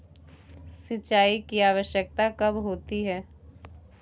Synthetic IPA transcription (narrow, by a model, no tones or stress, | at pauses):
sɪt͡ʃaːikiaːʋəʃjək̚t̪akɐbɦoːt̪iɦɛː